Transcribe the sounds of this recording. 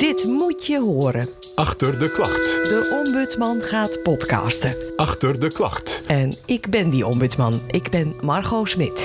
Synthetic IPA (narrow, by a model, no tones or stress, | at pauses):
d̥ɪtmutjəɦoːəɾəʔɑxtərdəklɑxtdəʔɔmbøt͡smɑnχaːtpɔtkɑ̰ːstəʔɑxtərdəklɑ̰xtɛnɪkbɪndiɔmbytsmɑnʔɪɡbɪnmarxowsmɪt